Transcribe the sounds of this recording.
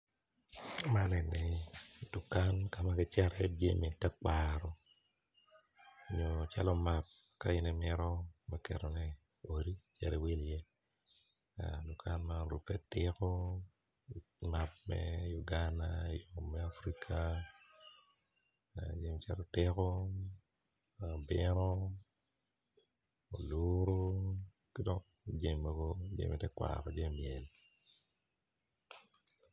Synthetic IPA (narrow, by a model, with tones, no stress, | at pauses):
ma˦nɛ˨nɛ˨du˨ka˦nka˨ma˦kɪ˦t͡ʃɛ˦ɾɛ˨d͡ʒḛ˦mi˨tɛ˦ka˨ɾɔ˦ | ɲo˨t͡ʃa̰˦lɔ˦ma˨p̚ | ka˦ɪ˦nɛ˦mɪ˦ɾɔ˦ma˦kɛ˨ɾo˨nɛ˦ | o˨ɾi˦t͡ʃɛ̰˨ɾɛ˨we˦lje˦ | adu˨kʰa˦nma˦ɾṵ˨pɛ˦tɪ˦kɔ˦ | ma˨p̚mɛ̰˦ju˨ɡanajɔː˨ɛ˦a˦fɾi˦kʰa | d͡ʒe˨mt͡ʃa˦ɾo˦tɪ˦ko˨ | bɪno | o˨luɾo˦ | ki˦dɔ˦ŋ | id͡ʒe˦˨mːɔ˦ɡo˦d͡ʒḛ˦mʔi˨tɛ˦kwa̰ɾɔ˨d͡ʒe˦mjɛ˨l